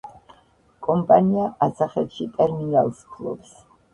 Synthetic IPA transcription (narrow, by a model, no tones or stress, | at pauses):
kʼɔmpʼaniaʔasaχɛt̪ʃit̪ʼɛɾminalˠskʰlˠɔ̰bs